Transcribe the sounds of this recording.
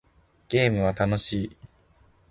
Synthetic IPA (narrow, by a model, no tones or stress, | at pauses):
ɡ̥e̞ːmɯ̟βat̪ano̞ɕiː